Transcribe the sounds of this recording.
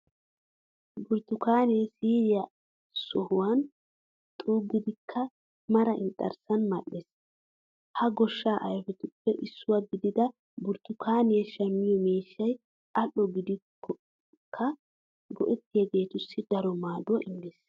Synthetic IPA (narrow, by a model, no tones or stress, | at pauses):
bʊɾt̪ʊkaːnɛsiːɾɪjɐ | sɔhʊwɐn | t̪ʼuːɡɪd̪ɪkʰːɐ | mɐɾɐʔɪnt̪ʼːɐ̰ɾsɐnmɐʔːeːs | hɐɡɔʃːaːʔɐjfɛt̪ʊpːɛʔɪsːʊwɐɡɪd̪ɪd̪ɐ | bʊɾt̪ʊkʰaːnɪjɛʃɐmːɪjɔmeːʃːɐj | ɐʔːɔɡɪd̪ɪkːɔ | kʰːɐ | ɡɔ̰ʔɛt̪ːɪjɛɡe̞ːt̪ʊsːɪd̪ɐɾɔmaːd̪ʊʔɪndis